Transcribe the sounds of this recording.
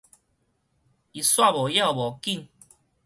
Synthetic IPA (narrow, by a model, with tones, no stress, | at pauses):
i˨˩swa˥˧˨bɔ˨ja˥˧˨bɔ˨˩ki˥˧˨ŋ